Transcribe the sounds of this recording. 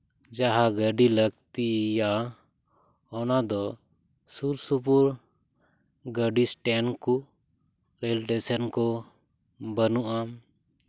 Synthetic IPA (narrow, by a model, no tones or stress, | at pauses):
d͡ʒaɦaɡəɖiləɡt̪ija | ɔnad̪ɔ | suɾsupuɾ | ɡəɖisʈɛnku | ɾɛlʈɛsənkɔ | bənuʔa